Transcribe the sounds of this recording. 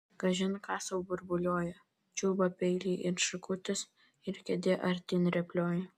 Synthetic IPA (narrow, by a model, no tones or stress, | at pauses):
ɡ̥ɐʒʲɪnkɑːsɐʊbʊɾbʊlʲoːjɛ | t͡ʃʲuːbɐpʲɛɪlʲiːʔɪɾʃɪkʊt̪ʲɪs | ɪɾkʲɛd̪ʲeːʔɐɾʲt̪ʲiːnɾʲɛpʲlʲoːj